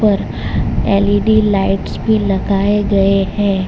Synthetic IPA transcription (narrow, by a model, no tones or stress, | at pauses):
pəɾ | ɛːliɖilaɪʈsbʱilɐɡaːeɡɐehɛ̃ː